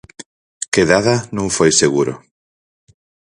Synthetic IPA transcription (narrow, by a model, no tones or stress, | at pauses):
keðaðanõŋfojseɣuɾo̰